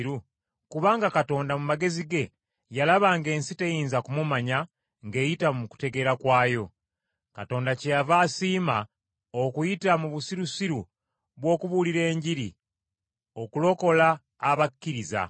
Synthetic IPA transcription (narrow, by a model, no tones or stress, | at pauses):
ɾu | kuβaːŋɡakato̞ːndamumaɡe̞ziɡe̞ | jalaβaŋɡe̞ːnsite̞jiːnzakumumaɲa | ŋɡe̞ːjitamuku̥te̞ɡe̞ɾakwaːjo̞ | kato̞ːndacejavaːsiːma | okujitamuβusiɾusiɾu | βwo̞ːkuβuliɾe̞ːɲɟiɾḭ | o̞kulo̞ko̞laː | βakːiɾiza̰